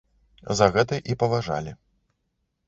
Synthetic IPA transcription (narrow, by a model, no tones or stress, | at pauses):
zɐɣɛt̪̬ɨʔipɐvaʐa̰lʲi